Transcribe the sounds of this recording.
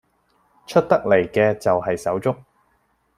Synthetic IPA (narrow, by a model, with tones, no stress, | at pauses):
t͡ʃʰɵ˥t̚t̪ɐ˥k̚le˨˩jkɛː˧t͡sɐ˨wɦɐ˨jsɐ˨˥wt͡sʊ˥k̚